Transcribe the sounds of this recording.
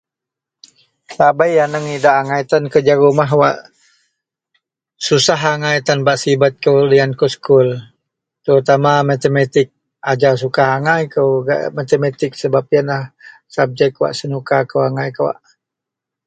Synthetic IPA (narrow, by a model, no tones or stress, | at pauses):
sabajːanəŋidaʔaŋait̪ankəd͡ʒaɾumaɦwa̰ʔ | susaɦaŋajt̪anbaʔsibat̪̚kəuliankoskul | t̪əɾut̪amamat̪emat̪ɪk̚ | ad͡ʒaws̬ukaɦaŋajkəwɡa̰ʔmat̪emat̪ɪk̚səbap̚janlahsab̚d͡ʒɛkwa̰ʔsənukakəwaŋajkəwa̰ʔ